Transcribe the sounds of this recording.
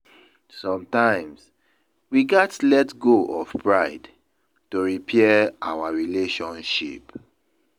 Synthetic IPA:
sɔ̃mtãɪ̃ms | wiɡɛtlɛtɡoʔɔfpɹaɪd | toɹipʰɛɛawaɹileʃɔ̃nʃḭp

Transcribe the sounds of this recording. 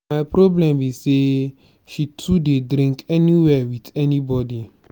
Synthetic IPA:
majpɾɔblɛ̃mise | ʃitʰudedɾĩŋkɛniwɛwitɛnibɔdi

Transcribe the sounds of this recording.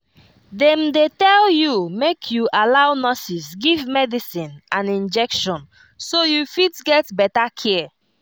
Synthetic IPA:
dɛ̃mdetɛljumekʰjuʔalawnɔsisɡivmɛdisĩnãnĩnd͡ʒɛkʃɔ̃n | sojufitɡɛtbɛtakʰɛ

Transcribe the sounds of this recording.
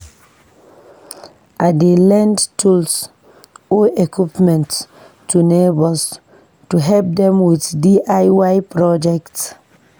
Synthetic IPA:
ʔadelɛ̃ndtʰuls | oʔekipmɛ̃nt | tʰunebɔs | tuɦɛlp̚dɛ̃mwiθdiʔajwajpɹɔd͡ʒɛkt

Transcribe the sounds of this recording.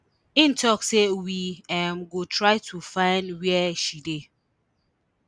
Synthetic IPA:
ĩntʰɔksewiɛmɡotʰɹaɪtʰufãɪndwɛʃide

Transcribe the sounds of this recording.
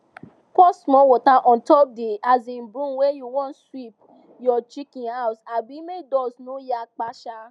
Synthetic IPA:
kɔsmɔ̃wɔtaʔɔ̃ntɔp̚deazĩn̩bɾũnwejuwɔ̃nswip̚ | jɔt͡ʃikĩhawsabimedɔsnõjak͡paʃa

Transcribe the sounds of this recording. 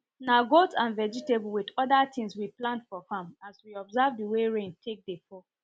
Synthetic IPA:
naɡotãnvɛd͡ʒitebl̩widɔdatĩŋswiplãntfɔfamaswiɔbzavdəweɹẽntʰek̚defɔ

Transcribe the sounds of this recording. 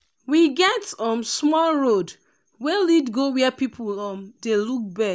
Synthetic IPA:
wiɡɛtɔ̃msmɔlɹod | wɛlidɡowɛpipʰulɔmdeluk̚bɛ

